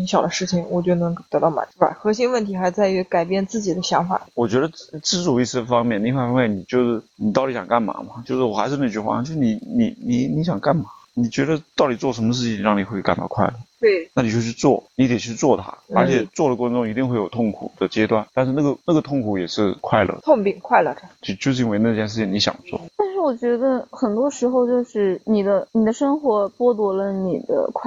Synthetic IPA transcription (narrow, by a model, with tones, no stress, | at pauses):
i˥ɕjɑ˨˩ʊd̪ə˦ʂɻ̩˥˩t͡ɕʰi˨˩ŋwɔ˨˩t͡ɕjo˥˩ʊnɤ˧˥ŋkt̪ɤ˧˥t̪ɑ˥˩ʊma̰˨˩˦ba̰˧˩ɪxɤ˧˥ɕi˥ŋwə˥˩nt̪ʰi˧˥xa˧˥ɪt͡sa˥˩ɪy˧˥ka˨˩ɪpjɛ˥˧nt͡sɹ̩˥˩t͡ɕi˨˩d̪ə˦ɕjɑ˧˥ŋfa̰˨˩˦wɔ˨˩t͡ɕɥɛ˧˥d̪ə˧ʈ͡ʂɻ̩˥t͡su˨˩i˥˧s̩˥˧fɑ˥ŋmjɛ˥˧n˥˧fwa˥˩fɑ˥mjɛ˥˩ni˨˩t͡ɕjo˥˧ʊʂɻ̩˥˩ni˨˩ɑ˥˩ʊli˥ɕjɑ̰˨˩ŋka˥˩nma̰˨˩˦mɐ˧˩t͡ɕjo˥˧ʊʂɻ̩˥˩wɔ˨˩xa˧˥ʂɻ̩˥˧˥t͡ɕy˥xwa̰˥˩o˥˧ʊʂɻ̩˥˩ni˧˥ni˧˩˥ni˧˥ni˧˥ɕjɑ˨˩ŋka˥˩nma˨˩˦ni˨˩t͡ɕɥɛ˧˥d̪ə˧t̪ɑ˥˩ʊli˨˩t͡swɔ˥˩ʂə˧˥nmə˧ʂ̬ɻ̩˥˩t͡ɕʰi˥ŋɻɑ˥˩ŋni˨˩xwe˥˩ɪka˨˩nt̪ɑ̰˥˧kʰwa˥˧ɪlə˥˩twe˥˩ɪna˥˩ni˨˩t͡ɕjo˥˧ʊt͡ɕʰy˥˧t͡swɔ˥˩ni˧˥d̪jɛ˨˩t͡ɕʰy˥˧t͡swɔ˥˩t̪ʰa̰˥ə˞˧˥t͡ɕʰjɛ˨˩t͡swɔ˥˩d̪ə˩kwa˥ŋʈ͡ʂʊ˥˩ŋi˧˥t̪i˥˧ŋxwe˩ɪjo˨˩ʊt̪ʰʊ˥˩ŋkʰṵ˨˩d̪ə˦t͡ɕjɛ˥t̪wa˥˧nt̪a˥˧nʂɻ̩˥˧na˥˩ɡə˩na˥˩ɡə˩t̪ʰʊ˥˩ŋkʰu˨˥jɛ˨˩ʂɻ̩˥˧kʰwa˥˩ɪlʔə̰˧˩t̪ʰʊ˥˩ŋpi˨˩ŋkʰwa˥˩ɪlə˨˧˩o˧t͡ɕo˥˧ʂ̩˥˩˧nwe˧˥ɪna˥˧t͡ɕjɛ˥˧ʂɻ̩˥˩t͡ɕʰi˧˩ŋni˧˥ɕjɑ̰˨˩ŋt͡swɔ̰˥˩t̪a˥˧nʂɻ̩˥˩wɔ˨˩t͡ɕɥɛ˧˥d̪ə˧xə˨˩nt̪wɔ˥ʂɻ̩˧˥xo˧ʊt͡ɕjo˥˧ʊʂɻ̩˥˩ni˨˩d̪ə˦ni˨˩d̪ə˦ʂə˥ŋxwɔ˧˥pwɔ˥t̪wɔ˧˥lə˧ni˨˩d̪ə̰˦kʰ